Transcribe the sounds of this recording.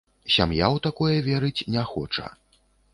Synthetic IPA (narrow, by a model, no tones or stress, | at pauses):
sʲa̰mjawt̪akɔjɐvʲɛɾɨt͡sʲnʲɛxɔ̰t͡ʂɐ̰